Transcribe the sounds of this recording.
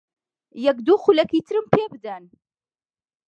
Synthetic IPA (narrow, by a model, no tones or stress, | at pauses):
jɛkd̪uːxulɛkit̪ʰɨɾɨmpʰebɨd̪an